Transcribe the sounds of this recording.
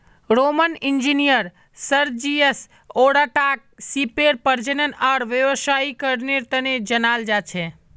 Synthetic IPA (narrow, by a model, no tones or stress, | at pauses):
ɾomənɪnd͡ʒinijəɾ | səɾd͡ʒies | oɽaʈak̚sipeɾpəɾd͡ʒənənaːɾʋjəʋəsaikəɾneɾt̪əned͡ʒənaːld͡ʒat͡ʃʰe